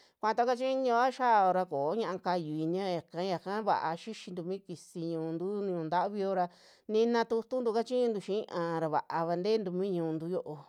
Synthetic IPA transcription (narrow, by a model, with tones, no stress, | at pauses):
kʷã˧t̪a˧˦ka˦t͡ʃĩ˦ɲĩ˧˦a˦ʃaː˦˨o˧ɾa˧koː˨˦ɲã˧ʔa˧ka˧ju˧˨i˧ɲã˦˧ja˨kã˨˦ja˨kã˦βa̰˨ʔa̰˧ʃi˦ʃi˧nd̪u˧mĩ˦ki˧si˧ɲũː˧nd̪u˦ñ˧ɲũ˧nd̪a˦ʔβi˧o˧ɾa˧ | nĩ˧nã˧t̪u˧t̪u˦nd̪u˧ka˦t͡ʃĩ˦ɲũ˧nd̪u˧ʃĩ˦ʔã˧ɾa˧βa̰˨ʔa˧βa˧nd̪e˦nd̪u˧mĩ˦ɲũː˧nd̪u˦jo˦˧ʔo˧